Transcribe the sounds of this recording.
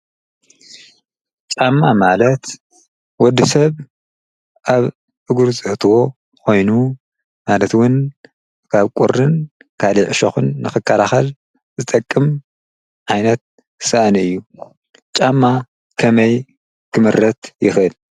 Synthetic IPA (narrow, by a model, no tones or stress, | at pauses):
t͡ʃʼamːamalɐt̪ | wɔd̪ːɨsɐβ | ʔaβ | ɨɡuɾzʼɨʔt̪ʰɨwo̞ | kʰo̞jnu | malɐt̪wʊn | kʰaβkʼuɾːɨn | kʰaliʕɨʃoxɨnːɨxɨkʰːalaxɐl | zɨt̪ʼɐkʼːɨm | ʕajnɐt̪̚ | sɨʔanɨjːu | t͡ʃʼamːa | kʰɐmɐj | kʰɨmɨɾːɐt̪jɪxʔɨl